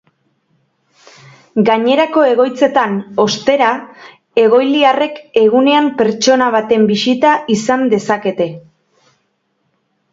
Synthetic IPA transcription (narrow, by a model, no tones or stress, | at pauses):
ɡaɲe̞ɾako̞e̞ɣ̞o̞jt͡se̞t̪ano̞st̪e̞ɾa | e̞ɣ̞o̞jliare̞ke̞ɣ̞une̞ampe̞ɾt͡ʃo̞naβ̞at̪e̞mbisit̪aʔisand̪e̞sake̞t̪e̞